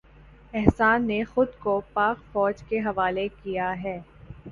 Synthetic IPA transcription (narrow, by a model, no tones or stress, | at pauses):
ɛɦsaːnːexʊd̪kopaːqfɔːd͡ʒkeɦɐʋaːlekijaɦɛː